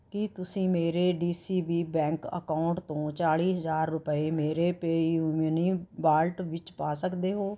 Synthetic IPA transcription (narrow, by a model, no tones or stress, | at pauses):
kɪt̪ʊsĩːmeːɾeːɖiːsiːbiːbɛ̃ːŋkə̰kaːʊɳʈt̪õːt͡ʃaːɽiːɦəzaːɾːʊpəeːmeːɾeːpeːjuːnəniːbaːlʈʋɪt͡ʃpaːsəkd̪eːɦoː